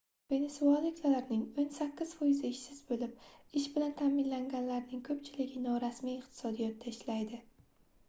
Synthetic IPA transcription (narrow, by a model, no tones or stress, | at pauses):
ve̞ne̞sualˠɪkʲlalaɾnɪŋonsakʲːɪz̥fɒjɪzɪɪʃsɪz̥bolɪp̚ɪʃbɪlant̪ʰaːmɪnlaŋɡʲanlaɾnɪŋkʰɵpt͡ʃʰɪlɪɡʲɪnɒɾasmijɪqt̪ʰɪ̥sɒd̪ijɒt̪̚d̪aɪʃlajd̪ɪ